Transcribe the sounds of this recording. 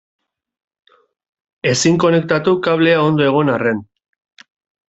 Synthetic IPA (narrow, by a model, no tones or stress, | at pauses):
e̞siŋko̞ne̞k̚t̪at̪ukaβ̞le̞ao̞nd̪o̞e̞ɣ̞o̞nare̞n